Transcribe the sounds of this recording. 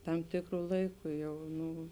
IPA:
ˈtɐm ˈtʲɪkrʊ ˈlˠɐɪkʊ ˈjɛʊ ˈnʊ

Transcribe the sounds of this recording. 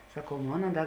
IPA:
sɐˈkɐʊ ˈmoːnɐ ˈdɐ

